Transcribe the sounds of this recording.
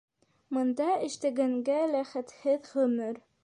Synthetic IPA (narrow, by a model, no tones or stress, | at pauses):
mŏnd̪ɑɘ̆ʃt̪æɡæŋɡælæχæt̪hɘðʁɵ̆mɘɾ